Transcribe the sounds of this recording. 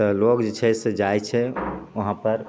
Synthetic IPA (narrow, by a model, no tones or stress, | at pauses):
əlokd͡ʒet͡ʃʰɛsed͡ʒajt͡ʃʰɛəɦãpəɾ